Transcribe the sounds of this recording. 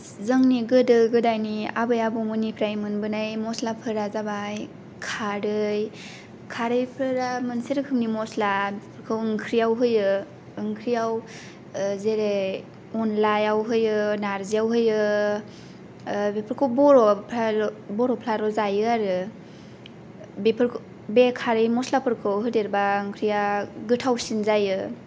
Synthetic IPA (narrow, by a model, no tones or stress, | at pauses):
zɯŋniɡɯdɯɡɯdajnia̰bɯjabɔmɯnipʰɾajmɯnbɯnajmɔslapʰɯɾazabaj | kʰaɾɯj | kʰaɾɯjpʰɾɯɾamɯnseɾɯkʰɯmnimɔslabepʰɾkʰɯwɯŋkʰɾijawɦɯjɯ | ɯŋkʰɾijaw | zeɾe | ɔnlajawɦɯjɯnaɾziawɦɯjɯ | bepʰɯɾkʰɯwbɔɾɔpʰabɔɾɔpʰlaɾɔzajɯaɾɯ | bepʰɯɾkʰ | bekʰaɾɯjmɔslapʰɯɾkʰɯwɦɯdeɾbaɯŋkʰɾijaɡɯtʰawsinzajɯ